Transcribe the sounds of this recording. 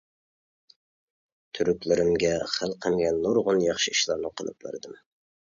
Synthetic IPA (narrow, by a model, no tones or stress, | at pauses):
t̪ʰyɾykʲlɪɾɪmɡʲɛχəlˠqʰəmɡʲɛnːoɾʁʊnjɑχʃiiʃlˠɑɾnɨqʰəlˠɨ̰p̚lɪ̰ɾd̪ɨm